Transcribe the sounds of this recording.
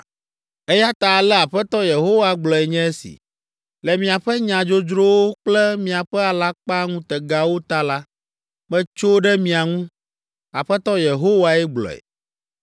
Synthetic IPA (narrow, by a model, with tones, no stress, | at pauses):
e˦ja˦t̪a˨lɛ˦a˨ɸɛ˦t̪ɔ˦je˨ɦo˦wa˦ɡ͡blɔ˨ɛ˨ɲɛ̃˦e˦sḭ˨ | lɛ˨mĩ˨a˨ɸɛ˦ɲã˨d͡ʒo˦d͡ʒɾo˦wo˦k͡plɛ˦mĩ˨a˨ɸɛ˦a˨la˦k͡pa˦ŋũ˦t̪ɛ˨ɡa˦wo˦t̪a˦la˦ | mɛ̃˦t͡ʃo˦ɖɛ˦mĩ˨a˨ŋũ˦ | a˨ɸɛ˦t̪ɔ˦je˨ɦo˦wa˨ɛ˦ɡ͡blɔ̰˨ɛ̰˨